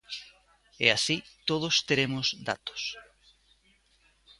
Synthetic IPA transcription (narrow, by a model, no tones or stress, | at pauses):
ḛasit̪oðʊst̪eɾemʊzd̪a̰t̪ʊ̥s